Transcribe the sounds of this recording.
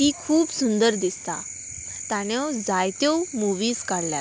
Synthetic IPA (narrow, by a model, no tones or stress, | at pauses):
iːkʰuːbsund̪əɾd̪ist̪a | t̪aɽ̃jɔd͡zajt̪owmuʋiːzkaɽlja̰